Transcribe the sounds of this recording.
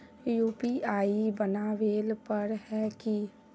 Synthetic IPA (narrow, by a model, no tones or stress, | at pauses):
juːpiaːibənaʋeːlpəɾɦɛki